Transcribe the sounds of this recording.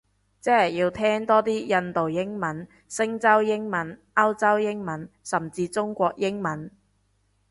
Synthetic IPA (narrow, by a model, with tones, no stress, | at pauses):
t͡sɛː˥hɐ˨˩jiː˧wt̪ʰɛː˥ŋt̪ɔː˥t̪iː˥jɐ˧nt̪o˨wjɪ˥ŋmɐ˨˥n | sɪ˥ŋt͡sɐ˥wjɪ˥ŋmɐ˨˥n | ɐ˥wt͡sɐ˥wjɪ˥ŋmɐ˨˥n | sɐ˨˩mt͡siː˧t͡sʊ˥ŋkʷɔː˧k̚jɪ˥ŋmɐ˨˥n